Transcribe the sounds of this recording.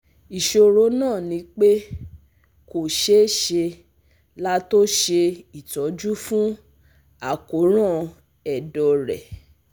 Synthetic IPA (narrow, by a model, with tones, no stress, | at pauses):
i˨ʃo˧˨ɾo˨˦nãː˦˨nĩ˨˦k͡pe˦ | ko˨ʃe˨˦ʃe˧ | la˦to˦ʃe˧i˨tɔ˨˦d͡ʒu˦fũ˦ | a˦˨ko˨˦ɾ̃ã˦˨ | ɛ˨dɔ˨ɾɛ̰˨